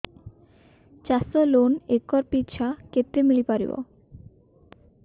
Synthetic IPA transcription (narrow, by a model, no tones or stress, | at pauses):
t͡ɕasolonekːɔɾpitːt͡ɕʰaket̪ːɾemilipaɾḭbo̰